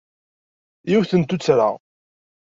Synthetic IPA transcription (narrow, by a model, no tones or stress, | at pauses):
jiwθənt̪ut͡sːɾa̰